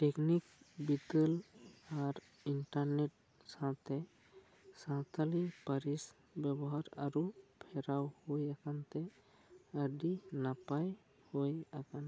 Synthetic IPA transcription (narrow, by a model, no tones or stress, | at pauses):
ʈeknikbit̪əlaɾ | iɳʈəɾneʈ̚ | sãt̪e | sãt̪alipəɾis | bjəbɔɦaɾə̰ɾupʰeɾawhojəkant̪e | əɖinapaj | hojakan